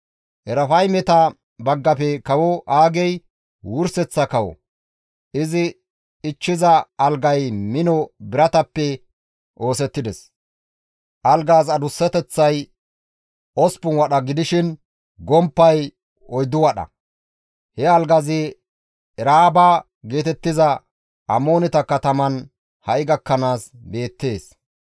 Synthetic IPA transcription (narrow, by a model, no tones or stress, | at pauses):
ʔɛɾɐfɐjmɛt̪ɐ | bɐɡːɐpɛkɐwɔʔaːɡɛj | wʊɾsɛt͡sːɐkɐwɔ̰ | ʔɪzɪ | ɪt͡ʃːɪzɐɐlɡɐjmɪnɔbɪɾɐt̪ɐpːɛ | ʔo̞ːsɛt̪ːɪd̪ɛs | ʔɐlɡaːzɐd̪ʊsːɛt̪ɛt͡sːɐj | ɔspʊnwɐɗɐɡɪd̪ɪʃɪn | ɡɔmpːɐj | ɔjd̪ʊwɐɗɐ̰ | hɛɐlɡɐzɪ | ɛɾaːbaː | ɡe̞ːt̪ɛt̪ːɪzɐ | ʔɐmo̞ːnɪt̪ɐkɐt̪ɐmɐn | hɐʔjɪɡɐkːɐnaːsbe̞ːt̪ːe̞ːs